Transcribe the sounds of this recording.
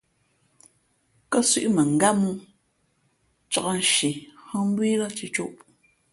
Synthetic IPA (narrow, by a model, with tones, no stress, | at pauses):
kɔ˦sḭ˦ʔmə˨ŋ˨ɡa˦mu˦ | t͡ʃɔ˨ɔ˦n̩˨ʃi˨hɔ˦m̩˦bwiː˦lɔ˦t͡ʃi˦t͡ʃu˦ʔ